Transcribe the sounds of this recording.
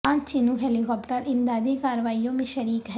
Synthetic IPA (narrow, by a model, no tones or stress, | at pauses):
aːnt͡ʃinuɦelikɔːpʈɐɾimd̪aːd̪ekaːɾʋaːijõmiʃɐɾiːkɦ